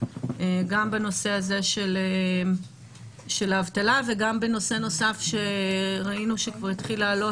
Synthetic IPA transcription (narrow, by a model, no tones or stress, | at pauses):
eɡambano̞se̞aze̞ʃele | ʃe̞laːvtalave̞ɡambe̞no̞se̞no̞safʃe̞ʁainuʃekvaʁitχilaːlo̞